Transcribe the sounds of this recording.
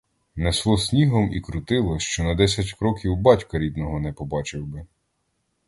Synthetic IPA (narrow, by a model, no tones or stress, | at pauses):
neslˠɔsʲnʲiɦɔmikɾʊt̪ɪlˠɔʃt͡ʃɔnɐd̪ɛsʲɐtʲkɾɔkʲiwbɑtʲkɐɾʲid̪nɔɦɔnɛpɔbɑt͡ʃɪwbɪ